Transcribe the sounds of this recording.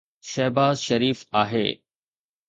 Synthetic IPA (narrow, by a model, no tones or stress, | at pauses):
ʃɛːbaːzʃɐɾiːfaːɦḛː